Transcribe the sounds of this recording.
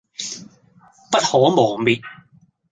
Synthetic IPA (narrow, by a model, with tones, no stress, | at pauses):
pɐ˥t̚hɔː˨˥mɔː˨˩ŋmiː˨t̚